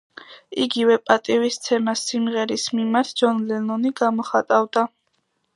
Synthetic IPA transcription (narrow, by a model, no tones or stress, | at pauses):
iɡivɛpʼat̪ʼivist̪sʰɛmasimʁɛɾismimaɾt̪ʰd͡ʒɔnlɛnɔniɡamɔχat̪ʼavd̪a